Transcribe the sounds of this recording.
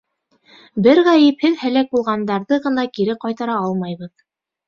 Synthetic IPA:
bɘɾʁæjɘ̆phɘðhælæk̚bulˠʁɑnd̪ɑɾðɤʁɤ̆nɑkiɾɘqɑjt̪ɑɾɑɑlˠmɑjβɤð

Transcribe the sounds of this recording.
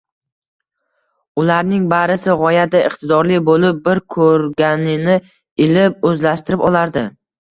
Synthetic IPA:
ʊlaɾnɪŋbaɾɪsɪʁɒjad̪aɪqt̪ʰɪd̪ɒɾlibolɪp̚bɪɾkʰɵɾɡʲanɪnɪ | ɪlɪp̚ɵzlaʃt̪ɪɾɪpɒlˠaɾd̪ɪ

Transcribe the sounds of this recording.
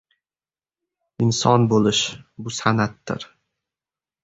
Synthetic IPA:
ɪnsɒnbolɪʃbʊsanat̪ːɪ̰ɾ

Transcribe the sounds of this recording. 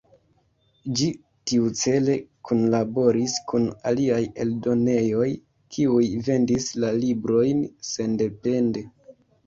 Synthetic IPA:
d͡ʒi | tiut͡se̞le̞kunlabo̞ɾiskuna̰liaje̞̰ldo̞ne̞jo̞j | kʰiujve̞ndislalibɾo̞jnse̞nde̞pe̞nde̞

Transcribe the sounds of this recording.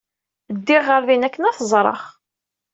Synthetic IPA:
əd̪ːɪʁːəɾvinækːənæθəzˤɾˤɑ̰χ

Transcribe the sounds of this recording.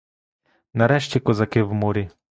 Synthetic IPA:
nɐɾɛʃt͡ɕʲɛkɔzɐkɪwmɔɾʲi

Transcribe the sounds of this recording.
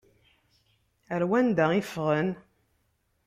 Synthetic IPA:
əɾwænd̪æifʁən

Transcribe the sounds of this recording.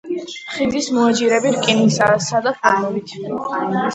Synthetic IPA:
χid̪ismɔad͡ʒiɾɛbiɾkʼinisasad̪apanɔbit̪ʰ

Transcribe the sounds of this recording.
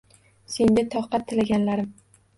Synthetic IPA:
se̞nd̪at̪ʰɒχqɑt̪ʰːɪlaɡʲanlaɾɪm

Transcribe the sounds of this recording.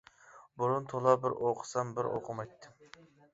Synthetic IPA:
bʊɾʊnt̪ʰolˠɑbɪɾoqʰə̥sɑmbɪɾʔo̰qʰəmɑjt̪ʰːɪ

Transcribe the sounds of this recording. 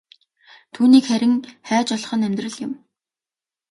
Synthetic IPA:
t̪ʰuːniːkχæɾʲɪ̆ŋχæːt͡ɕɔɮ̆χɞ̆næmʲt̪rə̆ɮjɪ̆m

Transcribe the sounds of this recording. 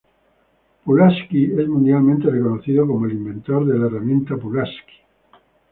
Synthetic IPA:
pulaskiezmũnd̪jalmẽnt̪erekonoθiðokomoelimbent̪oɾðelaeramjẽ̞nt̪apulaski̥

